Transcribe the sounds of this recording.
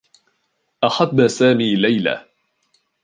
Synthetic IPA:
ʔaħadːasaːmiːlajla̰

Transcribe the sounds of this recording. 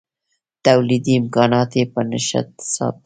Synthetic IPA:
t̪awlid̪iɪmkɑnɑt̪epənaʃa̰t̪sɑ̰t̪̚

